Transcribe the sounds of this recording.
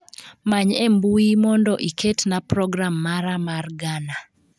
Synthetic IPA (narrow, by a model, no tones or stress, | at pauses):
maɲembuimɔndɔʔiketnapɾɔɡɾamːaɾamarɡana